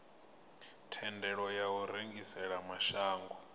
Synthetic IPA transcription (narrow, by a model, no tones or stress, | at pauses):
tʰɛndʱɛɺɔjawuɾeŋɡisɛɺamaʃaːŋɡɔ